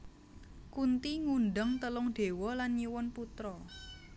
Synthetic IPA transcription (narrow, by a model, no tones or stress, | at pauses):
kunt̪iŋunɖəŋt̪əlʊŋd̪̥e̤wɔlanɲiwɔnput̪ɾɔ